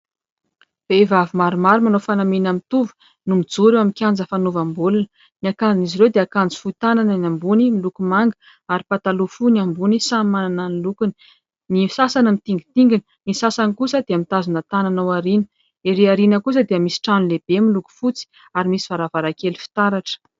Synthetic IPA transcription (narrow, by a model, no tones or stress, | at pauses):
b̥evavimaɾumaɾumanofanaminamit̪uvə̥ | numid͡zuɾewamikʲand͡zəfanuvambulunə | niakand͡zinizirewd̪eakand͡zi̥fuit̪ananənambunimilukumaŋɡə | aɾipat̪alufuniambunisammanananilukuni̥ | nisasanəmit̪iŋɡit̪iŋɡin | nisasanikusəd̪eəmit̪azunat̪ananowaɾinə̥ | eɾeaɾinəkus̬əd̪eəmisi̥ʈ͡ʂanuleb̥emiluku̥fut͡si̥ | aɾimisiv̥aɾavaɾakelifi̥t̪aɾaʈ͡ʂə̥